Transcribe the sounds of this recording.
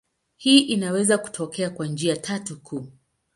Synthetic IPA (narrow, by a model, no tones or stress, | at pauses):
hiːʔinawɛzaku̥tʰɔkɛakwand͡ʒiatʰatukʰuː